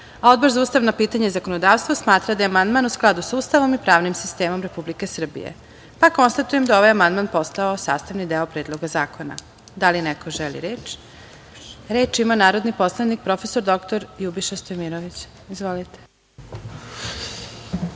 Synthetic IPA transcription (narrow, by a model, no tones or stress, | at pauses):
ao̞d̪̚bo̞ɾzauːst̪aʋnapiːt̪aɲeizako̞nod̪aːʋst̪ʋosmaːt̪ɾad̪ajeamand̪manusklˠad̪usauːst̪aʋo̞mipɾaːʋnimsist̪e̞ːmo̞mɾe̞publikesr̩bḭjḛ | pako̞nst̪at̪ujemd̪ao̞ʋajamand̪manpo̞st̪aosa̰ːst̪aʋnid̪eopɾeːd̪lˠo̞ɡazaːkʰo̞na̰ | d̪alinekoʒelḭɾeːt͡ʃ | ɾeːt͡ʃimanaːɾo̞d̪nipo̞slˠanik̚pɾo̞feso̞ɾd̪o̞kt̪oɾjubiʃast̪ojmiɾoʋit͡ɕ | izʋolit̪e̥